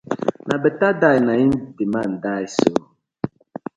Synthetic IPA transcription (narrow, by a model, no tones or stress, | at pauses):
nʔabətadanaindiman̩dajso